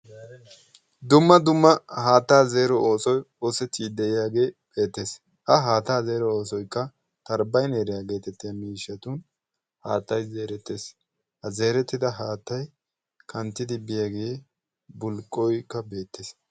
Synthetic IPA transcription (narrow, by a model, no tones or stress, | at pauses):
d̪ʊmːɐd̪ʊmːɐhaːt̪ːaːze̞ːɾɔoːsɔj | oːsɛt̪ːiːd̪ɛʔɪjaːɡe̞ːbe̞ːt̪ːe̞s | ʔɐɦaːt̪aːze̞ːɾɔoːsɔjkːɐ | t̪ɐɾbɐjneːɾɪjaːɡe̞ːt̪ɛt̪ːɪjamiːʃːɐt̪un | haːt̪ːɐjze̞ːɾɛt̪ːe̞ːs | hɐze̞ːɾɛt̪ːɪd̪ɐɦaːt̪ːɐj | kʰɐnt̪ːɪd̪ɪbɪjaːɡe̞ː | bʊlkʼːɔjkːɐbe̞ːt̪ːeːs